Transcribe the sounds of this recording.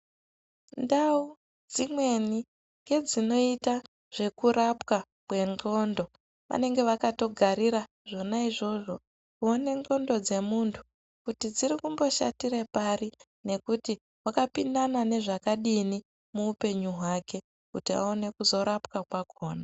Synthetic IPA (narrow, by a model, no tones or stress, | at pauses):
ndau | d͡zimwe̞ni | ŋɡe̞d͡zino̞ita | ʐ̥e̞kuɾap̚ka | kwe̞ŋɡo̞ndo̞ | ʋa̰ne̞ŋɡe̞ʋakato̞ɡʱaɾiɾa | ʐo̞naiʐo̞ʐo̞ | kuone̞no̞ndo̞d͡ze̞muntʰu̥ | kutid͡ziɾikumbo̞ʃa̰tiɾepari | ne̞kuti | wakapindanane̞ʐakaɗini | muːpe̞ɲuɦwake̞ | kutia̰one̞kuzo̞ɾapkakwakʰoːna